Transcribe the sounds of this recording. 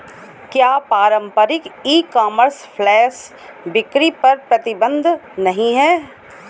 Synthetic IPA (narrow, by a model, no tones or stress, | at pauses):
kjaːpaːɾə̃mpəɾɪkiːkaːməɾspʰlɛːs | bɪkɾipɐɾpɾɐt̪ɪbə̃nd̪ʱnɐɦĩɦɛː